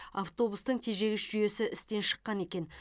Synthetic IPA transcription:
aft̪o̞bust̪əɴt̪ʰeʒe̞ɡʲɪsʒ̥ʏje̞sɪʔɪst̪e̞nʃə̥qːɑne̞kʲe̞n

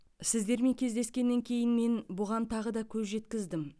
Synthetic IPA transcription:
sɪzd̪e̞ɾme̞ŋkʲʰe̞zd̪e̞skʲe̞nːe̞ŋkʲʰe̞jɪnme̞nbʊʁɑnt̪ʰɑʁəd̪ɑkʲʰɵzʒe̞t̪kʲɪzd̪ɪm

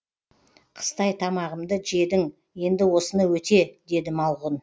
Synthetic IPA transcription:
qʰə̥st̪ɑjt̪ʰɑmɑʁəmd̪əʒe̞d̪ɪŋ | je̞nd̪ɪwo̞sənəwɵt̪e̞d̪e̞d̪ɪmɑlˠʁən

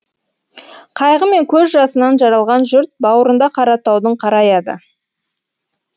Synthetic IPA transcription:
qʰɑjʁəme̞ŋkʲʰɵzʒɑsənɑnʒɑɾɑlˠʁɑnʒʏɾt̪̚bɑwəɾənd̪ɑqʰɑɾɑt̪ɑwd̪əɴqʰɑɾɑjɑd̪ə̰

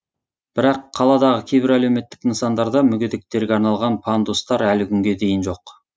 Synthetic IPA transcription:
b̥ɪɾɑqʰːɑlˠɑd̪ɑʁəkʲʰejbɪɾæle̞wme̞t̪ːɪkninsɑnd̪ɑɾd̪ɑmʏɡʲed̪ek̚t̪e̞ɾɡʲeɑɾnɑlˠʁɑnpʰand̪ust̪ɑɾælɪkʲʰʏŋɡʲe̞d̪e̞jɪnʒo̞q

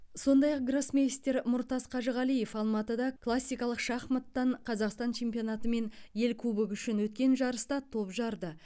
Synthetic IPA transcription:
so̞nd̪ɑjɑq̚ɡɾosmʲest̪e̞ɾmʊɾt̪ɑzqʰɑʒəʁɑlije̞fɑlˠmɑt̪əd̪ɑkʰlˠasʲːijkɑlˠəqʃɑχmət̪ːɑɴqʰɑzɑqst̪ɑnt͡ʃʰe̞mpijonɑt̪əme̞nje̞lkʲʰɵbɪkʲʏʃɪnwɵt̪̚kʲe̞nʒɑɾəst̪ɑt̪ʰo̞pʒɑɾd̪ə

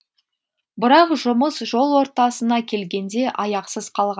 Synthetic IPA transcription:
bɪɾɑqʒʊməsʒo̞lˠwo̞ɾt̪ɑsənɑkʲʰe̞lɡʲe̞nd̪e̞ʔɑjɑqsəzqʰɑlˠʁɑ

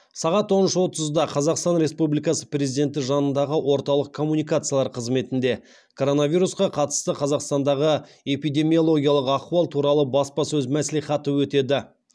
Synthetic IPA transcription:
sɑʁɑt̪wo̞nənʃəwo̞t̪əzd̪ɑqʰɑzɑqst̪ɑnɾe̞spublijkɑsəpre̞zid̪e̞nt̪̬ɪʒɑnənd̪ɑʁəwʔo̞ɾt̪ɑlˠəq̚kʰo̞mːunijk̬at̪sɨjalˠɑɾqʰəzme̞t̪ɪnd̪e̞ | kʰo̞ɾo̞navʲijɾusqɑqʰɑt̪ə̥st̪əqʰɑzɑqst̪ɑnd̪ɑʁə | e̞pijd̪e̞mio̞lˠo̞ɡʲijɑlˠəqɑquɑlˠt̪ʰuɾɑlˠəbɑspɑsɵzmæsliχɑt̪əwɵt̪e̞d̪ɪ

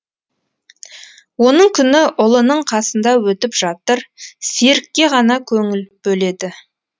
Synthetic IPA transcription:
wo̞nəɴkʲʰʏnɪʔʊlˠənəɴqʰɑsənd̪ɑwɵt̪ɪpʒ̥ɑt̪əɾseɾɪkʲːe̞ʁɑnɑkʲʰɵŋɪlb̥ɵle̞d̪ɪ

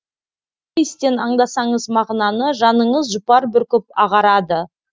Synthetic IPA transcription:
jɪst̪e̞nɑɴd̪ɑsɑɴəzmɑʁnɑnəʒɑnəɴəzʒʊpɑɾbɪɾkʲʰɵp̚ɑʁɑɾɑd̪ə

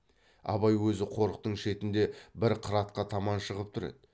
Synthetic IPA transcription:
ɑ̰βɑjwɵzɪqʰo̞ɾəq̚t̪əɴʃe̞t̪ɪnd̪e̞bɪɾqʰɾɑt̪̚qɑt̪ʰɑmɑnʃəʁəp̚t̪ʰʊɾḛd̪ɪ

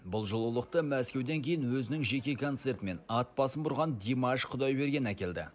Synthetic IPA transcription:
bʊlˠʒolˠulˠəq̚t̪əmæskʲe̞wd̪e̞ŋkʲʰe̞jɪnwɵzɪnɪŋʒe̞kʲe̞kʰo̞nt̪se̞ɾt̪ɪme̞nɑt̪̚pɑsənbʊɾʁɑnd̪ʲemɑʃqʰʊd̪ɑjbe̞ɾɡʲe̞nækʲe̞ld̪ɪ̰

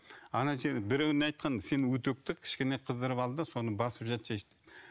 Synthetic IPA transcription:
ɑnɑʃebɪɾæwnɑjt̪̚qʰɑnse̞nwɵt̪ɵk̚t̪ɪkʲʰɪ̥ʃkʲeneqʰəzd̪əɾəpɑlˠd̪əso̞nəbɑsəpʒɑt̪ʒeʃt̪ɪ̥

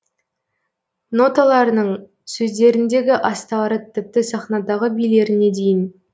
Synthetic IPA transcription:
no̞t̪ɑlˠɑɾənəɴ | sɵzd̪e̞ɾɪnd̪e̞ɡʲɪʔɑst̪ɑɾət̪ʰɪp̚t̪ɪsɑχnɑd̪ɑʁəbijle̞ɾɪne̞d̪e̞jɪn

